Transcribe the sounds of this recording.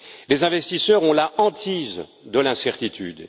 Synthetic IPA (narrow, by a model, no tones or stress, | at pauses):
lezɛ̃vɛst̪isœʁɔ̃laʔɑ̃t̪ʰizd̪əlɛ̃sɛʁt̪it̪ʰy̰d̪